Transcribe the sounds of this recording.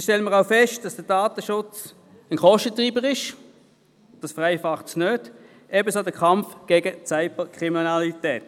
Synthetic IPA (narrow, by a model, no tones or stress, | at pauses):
ʃtɛləməʁaʊfɛʃtd̥ɑsd̥əd̥aːt̪əʃʊt͡s | ənkʰɔʃtətʁiːbəʁɪʃ | d̥ɑsfʁaɪfɑχtsnøːd | ɛbəsoːdəkʰɑmfɡ̥eːɡət͡saɪbəkʁiminɑlitɛːt